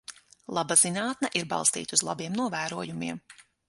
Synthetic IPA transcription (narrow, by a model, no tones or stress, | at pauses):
lˠabazinaːt̪̚naʔiɾbɑ̰lˠst̪ḭːt̪uzlˠa̰biɛmnuɔvæːɾuɔjumiɛm